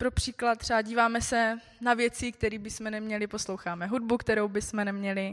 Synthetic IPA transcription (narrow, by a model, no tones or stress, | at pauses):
pɾopr̥iːklat̪t̪ːr̥ɛaɟiːvaːmɛsɛ | navjɛt͡sik̚t̪ɛɾiːbɪsmɛnɛmɲɛlɪpo̞slowxaːmɛɦud̚bukt̪ɛɾowbɪsmɛnɛmɲɛlɪ